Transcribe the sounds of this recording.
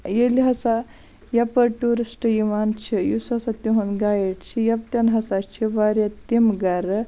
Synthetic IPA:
jeliɦɐsa | jɐpəʈuɾisʈiʋant͡ʃʰijusɦɐsat̪uɦonɡajeʈt͡ʃʰijɐp̚t̪ʲɐnɦɐsat͡ʃʰiʋaɾjat̪imɡɐɾə

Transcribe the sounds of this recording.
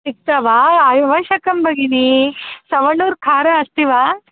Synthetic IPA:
tik̚t̪aʋaːaːjʋɐʃɐkɐmbʱɐɡinisɐʋɐɳuːɾkʰaːɾɐɐst̪iʋaː

